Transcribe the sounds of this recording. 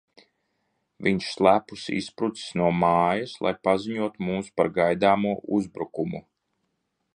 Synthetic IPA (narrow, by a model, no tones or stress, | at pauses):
viɲʃslˠæːpusḭspɾut̪si̥snuɔmaːjaslˠa̰jpaziɲuɔt̪umuːspaɾɡajd̪aːmuɔʔuzbɾukumu